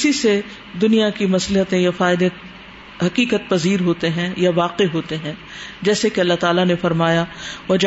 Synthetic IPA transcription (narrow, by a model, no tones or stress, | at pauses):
sise | d̪ʊnijakimɐsləɦət̪ẽjafaːɪd̪e | ɦɐqiːkət̪̚pɐziːɾɦoːt̪eɦɛ̃jaʋaːqeɦoːt̪eɦɛ̃ː | d͡ʒɛːsekeɐlːaɦt̪aːlanefɐɾmaːjaɐd͡ʒ